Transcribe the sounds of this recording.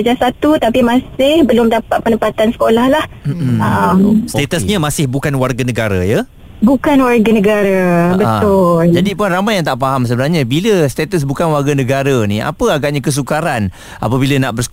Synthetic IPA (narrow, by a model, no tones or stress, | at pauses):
əd͡ʒasat̪ut̪apimãsɪhbəlʊmdapat̪̚pənəmpat̪ansə̥kolahlahm̩əmst̪et̪əsɲəmãsɪhbukanwarɡanəɡaɾa̰jə | bukanwarɡanəɡaɾabətʊld͡ʒadipunramajaŋt̪aʔpaɦams̬əbənarɲãbiləst̪et̪əs̬bukanwarɡanəɡaɾanĩa̰pəaɡaʔɲakəs̬ukaɾan | ʔa̰p̬əbilanaʔbərsə̥